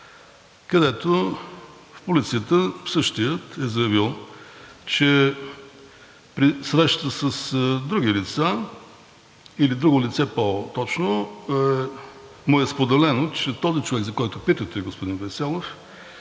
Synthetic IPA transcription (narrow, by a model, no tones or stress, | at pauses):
kəd̪ɛt̪o | fpolit̪siət̪əfsɤʃt̪ijət̪ɛzəjɐvilˠ | t͡ʃɛ | pɾisɾɛʃt̪ət̪əsəsd̪ɾuɡilit̪sa | ilid̪ɾuɡolit̪sɛpot̪ɔt͡ʃno | mʊɛspod̪ɛlɛnot͡ʃɛt̪ɔzit͡ʃovɛɡzɐkɔjt̪ʊpit̪ət̪ɛɡospod̪invɛsɛlˠof